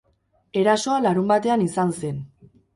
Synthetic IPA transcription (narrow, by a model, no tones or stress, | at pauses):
e̞ɾaso̞alaɾumbat̪e̞anisanse̞n